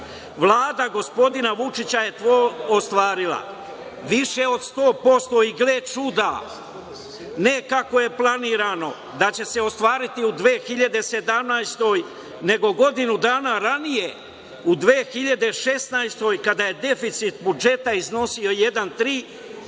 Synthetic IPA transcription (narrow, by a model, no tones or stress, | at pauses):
ʋlˠaːd̪aɡo̞spo̞d̪inaʋut͡ʃit͡ɕaje̞t̪ʋoːost̪ʋaːɾilˠa̰ | ʋiʃe̞o̞d̪st̪o̞ːpo̞st̪o̞iɡlet͡ʃud̪a | ne̞kako̞je̞plˠaniːɾano̞ | d̪at͡ɕe̞se̞o̞st̪ʋaːɾit̪iud̪ʋeːxiʎad̪e̞se̞d̪amnajst̪o̞j | ne̞ɡo̞ɡo̞d̪inud̪aːnaɾanije̞ | ud̪ʋeːxiʎad̪e̞ʃe̞snajst̪o̞jkad̪aje̞d̪e̞fit̪sit̪bud͡ʒe̞t̪aizno̞sio̞je̞d̪ant̪ɾiː